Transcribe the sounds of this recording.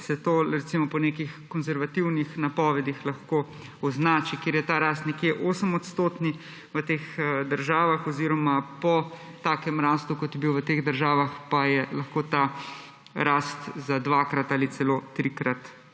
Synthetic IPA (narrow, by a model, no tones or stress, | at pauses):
sɛt̪oːɾɛt̪simɔpɔnekixkɔnzɛɾʋat̪iwnixnapɔːʋɛd̪ixlaxkoː | ɔznaːt͡ʃikeːɾjɛt̪aːɾaːst̪nɛkjeʔoːsəmɔt̪st̪oːt̪ni | ʋət̪eːxd̪əɾʒaːʋaxɔziːɾɔmapɔ | t̪aːkɛmɾaːst̪ukɔt̪jɛbiwʋət̪eːɣd̪əɾʒaːʋaxpajɛlɐxkoːt̪a | ɾaːst̪zad̪ʋakɾat̪aːlit̪sɛloːt̪ɾikɾat̪